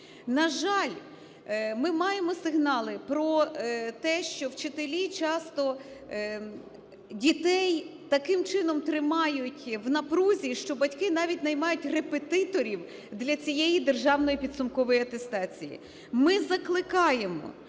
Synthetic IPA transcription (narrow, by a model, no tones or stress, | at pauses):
nɐʒɑlʲ | mɪmɑjemɔsɪɦnɑlˠɪpɾɔt̪ɛʃt͡ʃɔwt͡ʃɪt̪elʲit͡ʃɑst̪ɔ | dʲit̪ɛjt̪ɐkɪmt͡ʃɪnɔmt̪ɾɪmɑjʊtʲwnɐpɾuzʲiʃt͡ʃɔbɐtʲkɪnɑʋʲitʲnɐjmɑjʊtʲrepet̪ɪt̪ɔɾʲiw | d̪lʲɐt͡sʲijɛjid̪e̞rʒɑwnɔjipʲid̪sʊmkɔʋɔjiɐt̪e̞st̪ɑt͡sʲijḭ | mɪzɐklˠɪkɑjemɔ̰